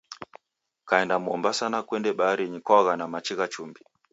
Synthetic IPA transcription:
kaɛndamuɔ̰mbasanakwɛndɛɓaaɾiɲikwaɣanamat͡ʃiɣat͡ʃumbi

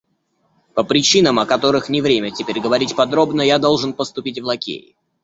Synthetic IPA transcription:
pəpɾʲɪt͡ɕinəmɐkɐt̪o̞ɾɨxnʲɪvɾʲemʲətʲɪpʲeɾʲɡəvɐɾʲitʲpɐd̪ɾo̞bnəjad̪o̞lˠʐɨnpəst̪ʊpʲitʲvlˠɐkʲḛɪ̰

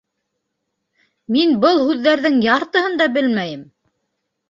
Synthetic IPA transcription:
minbɤlˠhʉðːæɾðɘŋjɑɾt̪ɤ̆ɦɤnd̪ɑbɘlmæjɘm

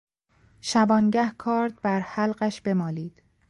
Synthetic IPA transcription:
ʃæbɒːnɟæhkʰɒːɾd̪̚bæɾhælɢæʃb̥e̞mɒːliːd̪̥

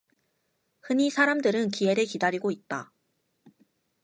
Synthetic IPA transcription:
hɯɲisʰaɾamdɯɾɯnkie̞ɾekidaɾiɡoit̚t͈a̰

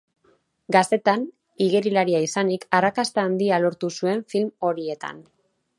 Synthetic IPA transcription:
ɡast̪e̞t̪an | iɣeɾilaɾiaisanikarakast̪aːnd̪ialo̞ɾt̪usue̞ɱfilmo̞ɾie̞t̪a̰n

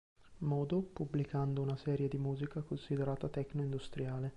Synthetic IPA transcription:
mɔːd̪opublikand̪ounasɛːɾjed̪imuːzikakonsid̪eɾaːt̪at̪ɛkːnoind̪ust̪ɾjaːle

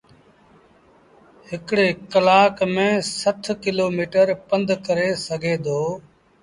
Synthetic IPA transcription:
ɦɪkɽeːkəlaːkmẽːsət̪ʰkɪloːmiːʈəɾpənd̪kəɾeːsəɡʱeːd̪oː

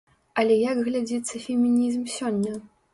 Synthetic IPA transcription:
ɐlʲɛjɐɡɣlʲad͡zʲit̪sːɐfʲɛmʲinʲnʲizmsʲɔnʲːɐ

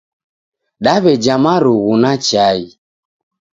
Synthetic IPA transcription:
ɗaβɛd͡ʒamaɾuɣunat͡ʃai

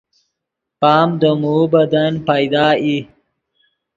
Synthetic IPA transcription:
pɑːmd̪əmubɐd̪anpajd̪ɑːi

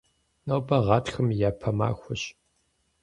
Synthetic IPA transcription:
nɐwbɐʁɑːtxɨmjaːpʰɐma̰ːxʷʊɕ

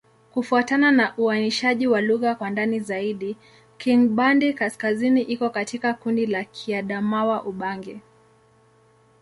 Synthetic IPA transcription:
kufuatananaʔuaniʃaʄiwaluɣakwandanizaiɗi | kiŋɓandikaskaziniʔikɔkatikakundilakʰiaɗamawaʔuɓaŋɡɛ

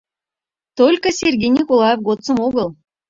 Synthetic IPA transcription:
t̪olʲkə̆sʲerɡʲejnʲikolˠɑjefɡot͡sə̆moɣəl

